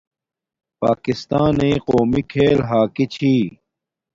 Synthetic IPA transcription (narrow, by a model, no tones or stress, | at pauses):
pa̰ːkist̪aːneːqoːmikʰeːlɦaːkit͡ɕʰiː